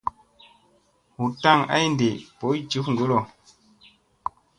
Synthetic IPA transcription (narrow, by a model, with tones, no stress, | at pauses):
hu˨ta˦˨ŋa̰˦jnde˨po˨˦jt͡ʃi˨˦fŋ˨ɡo˦lo˨